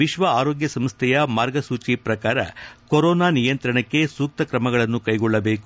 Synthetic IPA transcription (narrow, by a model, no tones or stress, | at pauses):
ʋiʃʋɐaːɾoːɡjɐsɐmst̪ʰɛjɐmaːɾɡɐsuːt͡ʃipɾɐkaːɾɐ̰koɾɔːnaːnijɐnt̪ɾɐɳɐkːe̞suːk̚t̪ɐkɾɐmɐɡɐɭɐnːukɐjɡɔɭːɐbe̞ːku